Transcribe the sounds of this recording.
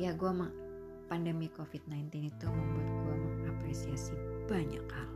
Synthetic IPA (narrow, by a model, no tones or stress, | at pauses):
jaɡuama | pandəmikofit̪̚najnt̪ɪnit̪uməmbut̪ɡuaapɾesiasib̥aɲa̰kal